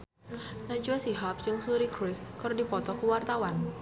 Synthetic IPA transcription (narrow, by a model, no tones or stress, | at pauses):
nad͡ʒuasiɦap̚t͡ʃɨŋsuɾikɾɪskaɾodipɔt̪ɔkuwart̪awan